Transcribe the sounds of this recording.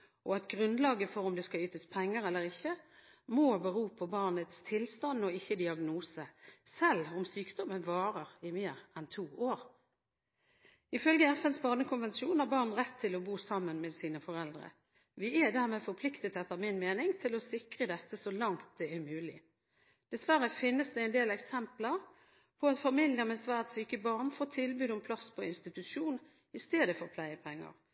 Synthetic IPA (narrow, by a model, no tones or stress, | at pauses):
ʔɔɑt̪ɡʁʉnd̪lɑːɡəfɔɾʊmd̪ɛskɑyːt̪əspʰɛŋːəɾɛlːəʁɪçːə | mobəʁuːpʰɔbɑʁnət̪st̪ʰɪlst̪ɑnɔɪçːəd̪ɪɑɡnuːsəsɛlʊmsyːkd̪ɔmənʋɑːʁəʁɪmeːʁɛnt̪ʰuːoːʁ | ɪfœlɡəɛfɛnsbɑʁnəkʰʊnʋɛnsuːnhɑʁbɑːʁnʁɛt̪ʰːɪlɔbuːsɑmːənmɛsiːnəfɔʁɛld̪ʁə̰ | ʋɪɛd̪æːʁmɛːfɔʁpʰlɪkt̪ət̪ʰɛt̪ːəʁmɪnmeːnɪŋt̪ʰɪlɔsɪkʁəd̪ɛt̪ːəsɔlɑŋt̪̚d̪̥ɛɛmʉːlɪ | d̪̥ɛsʋæʁəfɪnːəsd̪ɛæɪnd̪eːlɛksɛmpləʁ | pʰɔɑt̪fɑmɪljəmɛsʋæːʁt̪syːkəbɑʁnfoːt̪ʰɪlbyːd̪ɔmpʰlɑspʰɔɪnst̪ɪt̪ʉʃuːn | ɪst̪eːd̪əfɔʁpʰlæɪəpʰɛŋːə̰ʁ